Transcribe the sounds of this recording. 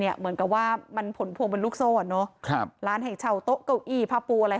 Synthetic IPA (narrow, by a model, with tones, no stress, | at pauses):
ni˥˩ɐmɯ˨˩˦ənka˨˩p̚waː˥˩ma˧npʰo˩˦npʰu˧ŋpe˧luː˥˩k̚soː˥˩nɔ˦˥kʰɾaː˦˥nɦa˧˩jt͡ɕʰa˧˩wt̪o˦˥ʔka˧˩wʔiː˧˩pʰaː˧˥puː˧ʔa˧ɾa˧